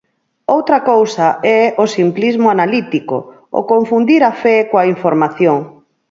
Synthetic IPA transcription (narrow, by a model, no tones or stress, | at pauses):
owt̪ɾɐkowsɐɛosimplizmʊanalit̪iko̰ | o̰koɱfund̪iɾafɛkoaiɱfoɾmaθjoŋ